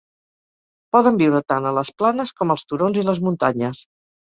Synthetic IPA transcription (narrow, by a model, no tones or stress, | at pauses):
pɔðəmbiwɾət̪anələsplanəskɔməlˠst̪uɾonziləzmunt̪aɲəs